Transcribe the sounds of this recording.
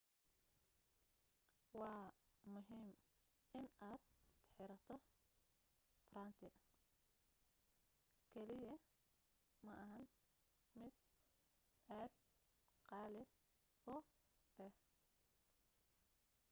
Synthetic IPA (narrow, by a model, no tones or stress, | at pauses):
wɑːmʊɦiːm | ɪnaːd̪ħɪɾɐt̪ʰɔ | pɾaːnt̪ʰɪɐ | kʰɛlɪjɐ | mɐʔɐɦɐn | mɪd̪̚ | ʔaːd̪ | qɑːlɪ | ʊ | ʔɛh